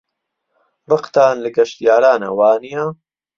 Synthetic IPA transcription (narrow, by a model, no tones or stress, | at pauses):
bɨqt̪aːnlɨɡɐʃt̪ijaːɾaːnɐ̰waːnijɐ